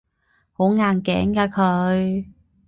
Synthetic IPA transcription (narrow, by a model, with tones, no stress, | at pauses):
ho˨˥ŋaː˧nkɛ̰ː˨˥ŋkaː˧kʰɵ˨˧˥ɥ